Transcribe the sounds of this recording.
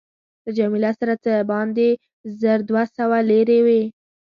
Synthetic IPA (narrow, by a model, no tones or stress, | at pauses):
ləd͡ʒamilasaɾat͡səbɑnd̪e | zəɾd̪wasawaleɾewe